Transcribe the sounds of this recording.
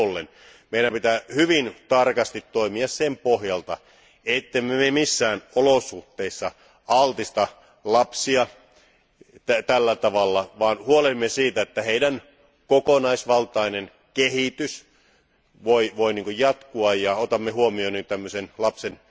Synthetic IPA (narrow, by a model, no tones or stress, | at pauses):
olːḛn | meiɾæmpit̪æhyʋint̪ɑrkɑst̪it̪toimiɑssempohjɑlt̪ɑ | et̪ːemːememisːæːnolosuht̪ːˑeisːɑ | ɑlt̪ist̪ɑ | lɑpsiɑ | t̪æt̪ælːæt̪ɑʋɑlːɑʋɑːnhuolemːesiːt̪æet̪ːæheidæn | kokonɑisʋɑlt̪ɑinen | kehit̪ys | ʋoiʋoiniːŋkojjɑt̪kuɑjjɑot̪ɑmːehuomionint̪æmːøsenlɑpsen